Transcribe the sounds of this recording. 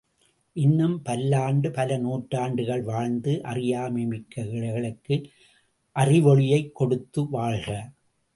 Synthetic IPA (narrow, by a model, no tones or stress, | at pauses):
ʔɪnːɯmpɐlːaːɳɖɯpɐlɐnuːʈraːɳɖɯɣɐɭʋaːɻnd̪ɯʔɐ̰rɪjaːmimɪkːɐɣɪɻɐɣɐɭɐkːɯ | ʔɐrɪʋɔɻɪjɐɪkːɔɽɯt̪ːɯʋaːɭɣɐ